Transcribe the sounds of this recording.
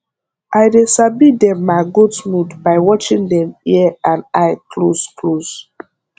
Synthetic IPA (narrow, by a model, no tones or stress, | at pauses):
ajdesabidɛ̃mːaɪɡudsmudbaɪwɔt͡ʃĩŋdɛ̃miɛãnaɪkʰlosklos